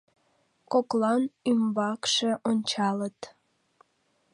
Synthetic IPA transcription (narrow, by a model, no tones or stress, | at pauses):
koklɑnymbɑkʃeʔonʲt͡ɕɑlət̪